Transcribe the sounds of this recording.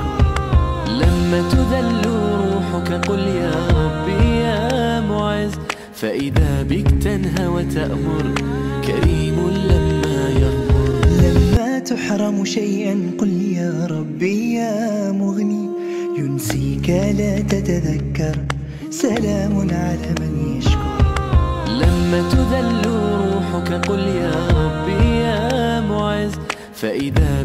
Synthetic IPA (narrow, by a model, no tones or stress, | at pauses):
lamːaːt̪ad̪alːuɾˤuːħʊkaqʊljaːɾˤɑbːijaːmʊʕɪz | faʔɪðaːbɪkt̪anɦawat̪aʔmʊɾˤ | ka̰ɾiːmʊlamːaːjɑðʊɾlamːaːt̪ʊħɾˤɑmʃajʔanqʊljaːɾˤɑbːijaːmʊɣniː | jʊnsiːkalaːt̪at̪aðakːɑɾˤ | salaːmʊnʕalaːmanjaʃʊɾ | lamːaːt̪ʊd̪alːʊɾˤuːħʊkaqʊljaːɾˤɑbːijaːmʊʕɪz | faʔɪðaː